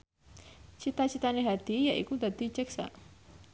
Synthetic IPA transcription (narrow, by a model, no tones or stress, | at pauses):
t͡ʃit̪at͡ʃit̪aneɦad̪̥ijaʔḭkud̪ad̪it͡ʃɛksa̰ʔ